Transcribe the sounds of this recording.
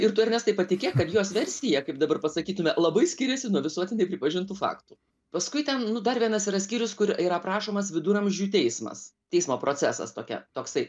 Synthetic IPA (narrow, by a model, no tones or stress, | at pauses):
ɪrt̪ʊɐɾʲnʲɛst̪ɐɪpɐtʲɪkʲeːkɐt̪joːsʋʲɛɾʲsʲɪjɛkɐɪp̚d̪ɐbɐrpɐsɐkʲiːt̪ʊmʲɛlˠɐbɐɪsʲkʲɪɾʲɛsʲɪnuɔʋʲɪsuɔt̪ʲɪnʲɛɪpʲɾʲɪpɐʒʲɪnt̪uːfɑ̰ːkt̪uː | pɐskʊɪt̪ʲɛnnʊd̪ɐrʋʲiɛnɐsiːɾɐsʲkʲiːɾʲʊskʊɾiːɾɐpɾɑːʃoːmɐsʋʲɪd̪uːɾɐmʲʒʲd͡ʒʲuːt̪ʲɛɪsmɐ̰st̪ʲɛɪsmoːprʔoːt͡s̪ʲæsɐ̰st̪oːkʲɛ̰t̪oːksɐɪ